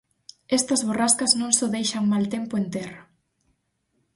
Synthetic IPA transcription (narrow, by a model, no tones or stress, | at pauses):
ɛst̪ɐzβoraskɐznõnsoðejʃɐŋmalt̪empoent̪eɾ